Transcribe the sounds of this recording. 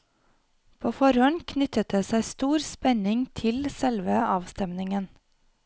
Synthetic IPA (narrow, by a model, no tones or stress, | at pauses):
pʰoːfɔɾhɔnkʰnʏt̪ət̪əsæɪst̪uːɾspɛɲɪŋt̪ʰɪlsɛlʋəɑːʋst̪ɛmnɪŋən